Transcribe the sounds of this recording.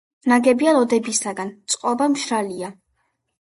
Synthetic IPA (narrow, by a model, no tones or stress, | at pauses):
naɡɛbialˠɔd̪ɛbisaɡant̪sʼqʼɔbamʃɾalia